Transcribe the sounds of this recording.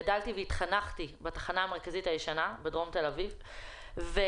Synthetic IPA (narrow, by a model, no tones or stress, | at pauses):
daltiveit̪χanaχtibatḁχanaːme̞ʁ̞kazitajeʃanabedʁo̞mte̞laviv | ve